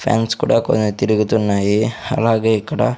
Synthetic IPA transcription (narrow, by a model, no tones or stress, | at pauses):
pʰja̰ːnskuːɽɐkonut̪iɾiɡut̪ːunːaːjiɐ̰laːɡeikːɐɽɐ̰